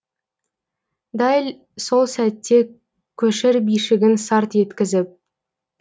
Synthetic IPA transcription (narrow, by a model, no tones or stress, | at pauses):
d̪ɑjlʲ | so̞lˠsæt̪ːe̞ | kʲʰɵʃɪɾbijʃɪɡʲɪnsɑɾt̪je̞t̪kʲɪzɪp̚